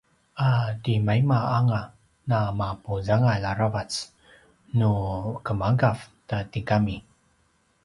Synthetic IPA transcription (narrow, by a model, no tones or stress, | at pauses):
adimajmaaŋa | namapuzaŋalaɾavat͡s | nukəmaɡaftatikami